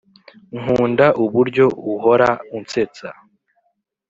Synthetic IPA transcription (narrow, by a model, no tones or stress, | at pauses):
ŋuːndaʔuβuɾɟo̞uɦo̞ɾaunt͡se̞t͡sa